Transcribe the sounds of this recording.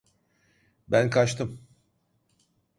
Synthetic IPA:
bænkʰat͡ʃt̪ʰɯm

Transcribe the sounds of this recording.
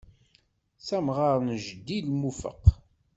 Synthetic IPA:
sæmʁaɾˤnʒd̪ːilmufə̰q

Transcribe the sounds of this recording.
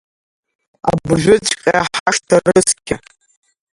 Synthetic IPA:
a̰bʒʷʊt͡ʃʼqʲʼaaħaʂtʰarɨskʲʰa

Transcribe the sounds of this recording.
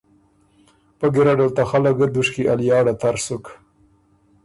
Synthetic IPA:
pəɡɪɾaɖalt̪axalaɡəd̪uʂkiʔaljɑːɽat̪aɾsuk

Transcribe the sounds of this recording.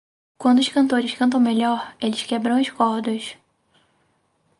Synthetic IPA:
kwɐ̃nd̪ʊʃkɐ̃nt̪oɾɪʃkɐ̃nt̪̬ɐ̃w̃meʎɔɾelɪʃkɛbɾɐ̃w̃ɐʃkɔhd̪ʊs

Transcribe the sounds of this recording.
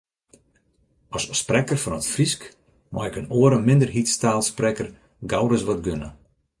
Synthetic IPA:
ɔssprɛkərfɔnətfrisk | mʔɔ̰ɪkənoəɾəmɪndərɦitstaːlˠsprɛkər | ɡawrəsʋɔtɡønə̰

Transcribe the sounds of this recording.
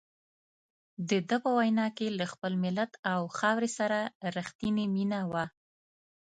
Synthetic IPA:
d̪əd̪əpəwajnɑkelaxpəlmɪlat̪awxɑwɾesaɾaɾaxt̪ineminawa

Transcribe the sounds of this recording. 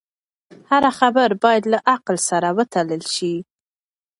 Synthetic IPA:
haɾaxabəɾbɑjad̪laʔaqlsaɾawət̪aləlʃi

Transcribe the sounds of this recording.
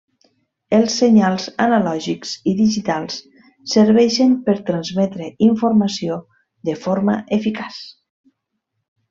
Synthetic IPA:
əlˠseɲalˠzanalɔʒiksiðiʒit̪alˠsː | əɾβɛʃəmpəɾt̪ɾanzmɛt̪ɾeiɱfuɾmasio | ðəfoɾma̰ʔefikas

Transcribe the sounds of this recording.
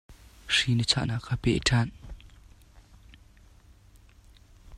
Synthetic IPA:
ʂinət͡sʰa̰ːʔnakʰːaːpɛ̰ʔʈ͡ʂʰan

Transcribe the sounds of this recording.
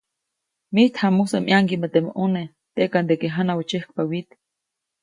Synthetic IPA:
miht̪ʰhamusamʔjaŋkimat̪eʔmʔone | t̪eʔkand̪ekeɦanawat͡ʃehk̚pawit̪

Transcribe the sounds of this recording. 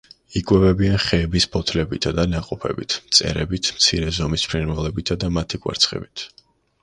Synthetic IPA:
ikʼwɛvɛbianχɛːbispʰɔt̪ʰlɛbit̪ʰad̪anaqʼɔpʰɛ̰bḭt̪ʰmt̪sʼɛ̰ɾɛbit̪ʰmt̪sʰiɾɛzɔmispʰɾinwɛlɛbit̪ʰad̪amat̪ʰikʼwɛ̰ɾt̪sʰχɛ̰bit̪ʰ

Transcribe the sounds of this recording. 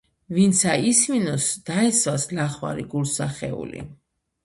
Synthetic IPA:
vint̪sʰaisminɔsd̪̥aɛswaslaχwa̰ɾiɡulsaχɛ̰ṵlḭ

